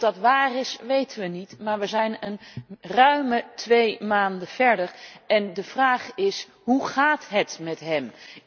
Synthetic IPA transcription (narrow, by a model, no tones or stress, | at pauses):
dɑtʋaːrɪsʋejtənʋənitmaːɹʋəzɛjnənrœɥmətʋejmaːndəv̥ɛɹdəɹɛndəv̥raːχɪs | ɦuχaːtɦətmɛtɦɛm